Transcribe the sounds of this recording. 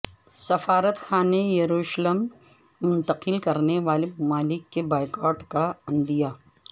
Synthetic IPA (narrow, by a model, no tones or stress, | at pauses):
sɐfaːɾət̪xʰaːnejɐɾuːʃləmː | ʊ̃nt̪əqɪlkɐɾneʋaːlemʊmaːlɪkːebaːɪkɔːʈkaɐ̃nd̪ijaː